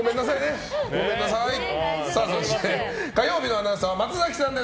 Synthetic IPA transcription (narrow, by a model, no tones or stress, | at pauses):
ome̞nːasaine̞ | ɡo̞mẽ̞nːasajsasoɕi̥t̪ekajo̞ːbʲinoanasaβamat͡sɨzakʲi̥sãnd̪e̞